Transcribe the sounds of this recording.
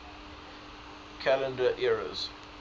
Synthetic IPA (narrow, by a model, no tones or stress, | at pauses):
kʰælə̃ndəʔɛɹə̰z̥